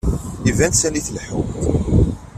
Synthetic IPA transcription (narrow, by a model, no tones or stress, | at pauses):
ivænsæniθlħṵ